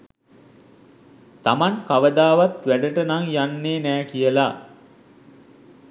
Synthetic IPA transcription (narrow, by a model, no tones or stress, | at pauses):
t̪amaŋkaʋəd̪aːʋat̪ʋæɖəʈənaŋjanːeːnæːkijəla